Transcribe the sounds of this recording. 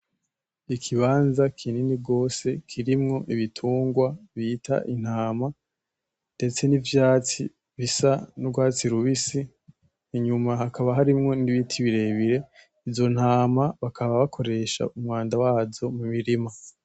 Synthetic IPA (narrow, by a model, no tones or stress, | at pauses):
ikʰiβaːnzakʰininibɡo̞ːse̞kʰiɾimŋo̞ʔiβitʰuːŋɡwaβiːtʰa̰ʔin̥haːma | nde̞t͡se̞nivjaːt͡si | βisanuɡwaːt͡siɾuβisiː | ɲumaɦakaβaɦaɾimŋo̞niβitʰiβiɾe̞βiɾe̞ | ivzo̞n̥haːmaβakʰaβaβakʰo̞ɾe̞ʃa̰umŋaːndawaːzo̞mumiɾima